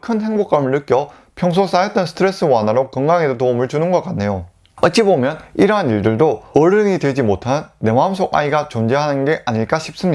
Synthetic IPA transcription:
kʰɯnɦe̞ŋbok͈amɯɭnɯk͈jʌ | pʰjʌŋs̬ʰos͈ajʌt͈ʌnsʰɯ̥tʰɾe̞s͈ɯwanɦaɾokʌŋɡaŋedetomɯɭt͡ɕunɯnɡʌk͈anːe̞jo | ʌt͡ɕ͈ibomjʌniɾʌɦaniɭdɯɭdoʌɾɯɲidwe̞d͡ʑimotʰanːe̞mamsʰoɡʔa̰iɡat͡ɕond͡ʑe̞ɦanɯnɡe̞ʔaɲiɭk͈aɕʰip̚s͈ɯmɲia

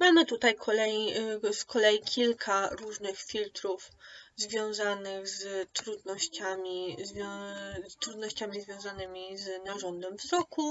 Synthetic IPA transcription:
mamɘt̪ut̪ajkʰɔlɛjskʰɔlɛjikʲʰilkʰaɾuʐnɘxfʲilt̪ɾufzvʲjɔ̃w̃zanɘɣzt̪ɾud̪nɔɕt͡ɕamʲizvʲɔt̪ɾud̪nɔɕt͡ɕamʲizvʲjɔ̃w̃zanɘmʲiznaʐɔnd̪ɛmvzɔku

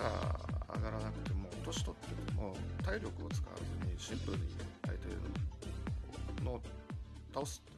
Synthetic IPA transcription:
a̰a̰ɡaɾanakɯ̟̥t̪e̞mo̞t̪o̞ɕi̥t̪o̞t̪ːekmot̪aiɾʲo̞kɯ̟ot͡sɨ̥ka̰ɯ̟zoɲ̟iɕĩmpɯ̟ɾɯ̟ɲ̟ia̰it̪ḛno | noːt̪aosɨ̥t̪ː

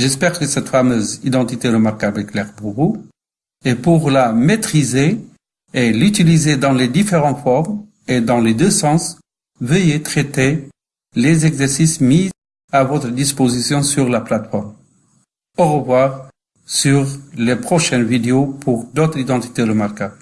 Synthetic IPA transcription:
ʒɛspɛʁkəsɛt̪famøzid̪ɑ̃t̪it̪eʁəmaʁkabɛklɛʁbuʁu | epuʁlamet̪χize | elyt̪ilized̪ɑ̃led̪ifeʁɑ̃t̪fɔʁm | ed̪ɑ̃led̪øsɑ̃s | vəjet̪χet̪e | lezɛɡzɛʁsismi | avɔt̪χəd̪ispozisjɔ̃syʁlaplat̪fɔʁm | oʁəvwaʁ | syʁlepχɔʃɛnvid̪eopʰuʁd̪ot̪χid̪ɑ̃t̪i̥t̪eləmaʁkab

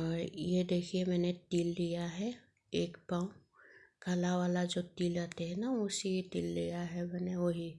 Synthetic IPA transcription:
ɔːɾjed̪eːkʰiemɛːnet̪iːlːijaɦɛ | eːkpãːũkʰalaʋaːlad͡ʒoːt̪iːld͡ʒaːt̪eɦɛnaʊsejet̪iːlːijaɦɛmɛːneʋoɦi

